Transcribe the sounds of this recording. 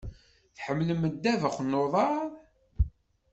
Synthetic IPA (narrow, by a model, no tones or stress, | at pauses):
θħəmːləmːəd̪ːævəχnːoðˤɑɾ